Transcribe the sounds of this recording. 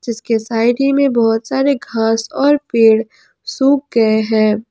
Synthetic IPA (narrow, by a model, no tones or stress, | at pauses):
d͡ʒɪskesaːɪɖimẽbɔɦʊt̪saːɾeɡʱaːsɔːɾpeːɽ | suːk̚ɡɐeɦɛ̃ː